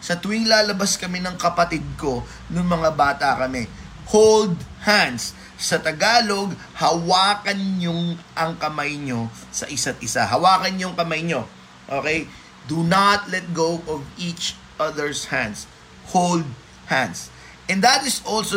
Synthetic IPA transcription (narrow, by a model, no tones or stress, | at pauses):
sɐt̪ʊɪŋlaːlɐbaskɐmɛnɐŋkɐpɐt̪ɪd̪̚ko̞ | nʊŋmɐŋabaːt̪ɐkɐmɛ | howld̪̚handsː | ɐt̪ɐɡaːlo̞ɡ̚ | hɐwaːkɐnɲoŋʔɐŋkɐmajɲo̞ | sɐ̰ʔɪsat̪̚ʔɪsaɦɐwaːkɐnɲoŋkɐmajɲo̞ | ʔoːkej | d̪unɐt̪̚lɛt̪̚ɡowʔɔvit͡ʃ | ʔɐðɛɹshãnd̪s | hold̪̚ | hãns | ʔɛnd̪ɐt̪ɪsʔolso